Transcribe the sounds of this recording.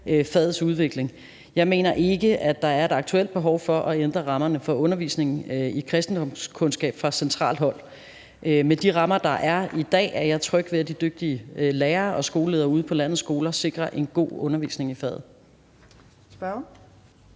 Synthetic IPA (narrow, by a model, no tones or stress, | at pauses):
øfɛð̩ˠsuð̞ˠʋe̝ɡ̥le̝ŋ | jɑ̈ɪme̝̰ːnɐʔe̝ɡ̥əæ̥d̥ɑ̈æɐe̝d̥ɑ̈ɡ̥̚t͡sʰuel̰d̥̚b̥e̝ɦɒʊfɒ̽ʔɒend̥ʁɐʁɑ̈mɐnəfɒ̽ɔ̽nɐʋḭːsne̝ŋn̩ikʰʁɛsd̥n̩d̥ɒ̽m̰skʰɔ̽nsɡ̥ɛ̰ːb̥fʁɑ̈sent͡sʰʁɑ̰̈ːlɦɒ̽l̰ | ʔmed̥iʁɑ̈mɐd̥ɑ̈ʔæɐid̥ɛ̰ːæɐjɑ̈ɪt͡sʰʁœɡ̥ʋe̝ɐd̥id̥øɡ̥̚d̥iəleːɐːʔɒ̽sɡ̥o̝ːləle̝ːðˠɐːuːð̞ˠpʰɒ̽læn̰ð̩ˠsɡ̥o̝ːlɐse̝ɡ̥ʁɐʔe̝nɡ̥o̝̰ːɔ̽nɐʋḭːsne̝ŋifɛ̰ð̩ˠ | sb̥